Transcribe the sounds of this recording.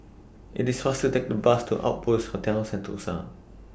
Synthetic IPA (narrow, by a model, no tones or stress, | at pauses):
ʔɪ̰tisfastutek̚dəbastʰuʔa̰ʊt̚pushotʰɛlsɛ̃ntʰṵsa̰